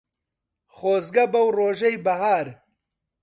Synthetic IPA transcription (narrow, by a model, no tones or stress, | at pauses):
xoːzɡɐbɐwroːʒɐjbɐhaːɾ